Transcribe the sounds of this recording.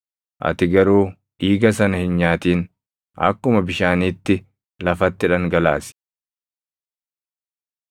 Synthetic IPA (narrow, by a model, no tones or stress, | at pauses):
ʔɐ̰t̪ɪɡɐɾuː | ʔiːɡɐsɐnɐhɪnɲaːt̪iːn | ʔɐ̰kːʊmɐbɪʃaːniːt̪ːɪ | lɐfɐt̪ːɪᶑɐŋɡɐla̰ːsɪ̥